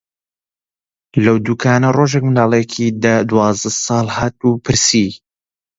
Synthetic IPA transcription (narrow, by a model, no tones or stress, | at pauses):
lɐwd̪uːkʰaːnɐroʒekmɨnd̪ɑːlˠejɛkʰid̪ad̪uwɑːzd̪ɐsɑːlˠhaːt̪upʰɨɾsi